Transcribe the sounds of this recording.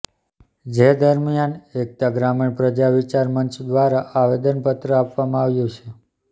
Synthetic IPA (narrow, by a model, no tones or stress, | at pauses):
d͡ʒed̪əɾmijanek̚t̪aɡɾamiɳpɾəd͡ʒaʋit͡ʃaɾmənt͡ʃd̪ʋaɾaʔaʋed̪ənpət̪ɾəapʋamãaʋjũt͡ʃʰe